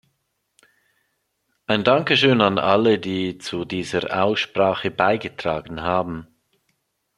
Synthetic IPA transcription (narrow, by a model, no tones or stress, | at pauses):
ʔaɪndaŋkəʃøːnanʔalədiːt͡sudiːzəʔa̰ʊsʃpʁaːχəbaɪɡətʁ̥aːɡən̩ɦaːbn̩